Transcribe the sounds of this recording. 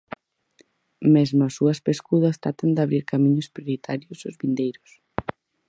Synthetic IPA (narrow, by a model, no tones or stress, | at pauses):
mezmasuɐspeskuðɐst̪ɾat̪and̪aβɾiɾkamĩɲʊspɾjoɾit̪ʰaɾjosʊzβind̪ejɾʊs